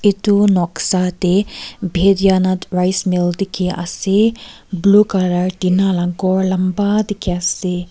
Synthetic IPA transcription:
it̪unɔksat̪ebʱed̪janɐt̪ɾajsmild̪ikʰiʔa̰se | blukɐɾaɾd̪inalaŋkɔɾlɐmbad̪ikʰiase

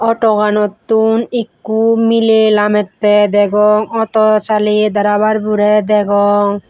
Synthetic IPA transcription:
ɔʈɔɡanɔt̪ːunikːumilelamɛt̪ːɛd̪ɛɡɔŋɔt̪ɔt͡ʃalid̪aɾaβaɾbuɾɛd̪ɛɡɔŋ

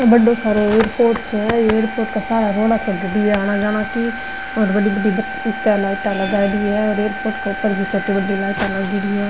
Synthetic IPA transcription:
bəɖosaːɾoeːɾpoːɾʈsɦɛeːɾpoːʈkasaːɾaɾoːɽaːt͡ʃʰɛdəɖiɛaːñad͡ʒaːnaki | ɔːɾbəɽibəɖib | ʊt̪ːalaːɪʈalɐɡaːd̪iɦɛɔːɾeːɾpoːɾʈkapəɾɡit͡ʃʰət̪ibəɖilaːɪʈalaɡɪːɽiɦɛː

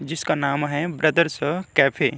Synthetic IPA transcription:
d͡ʒɪskanaːmɦɛbɾɐd̪əɾsəkɛːpʰeː

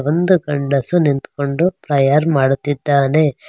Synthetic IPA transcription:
ʋond̪uɡɐɳɖɐsunint̪koɳɖupɾɐjɐɾmaːɽut̪ːid̪ːaːne

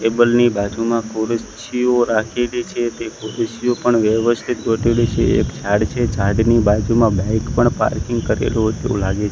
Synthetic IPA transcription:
ʈebəlnibad͡ʒumãkoɾət͡ʃioɾakʰelit͡ʃʰet̪ekoɾəsiopəɳʋjəʋəst̪ʰit̪̚ɡʱoʈʰelit͡ʃʰeḛkt͡ʃʰaɽt͡ʃʰet͡ʃaɖnibad͡ʒumãbɛ̃kpəɳpa̰ɾkiŋɡkəɾḛlot̪ḛʋṵ̃laɡet͡ʃʰe

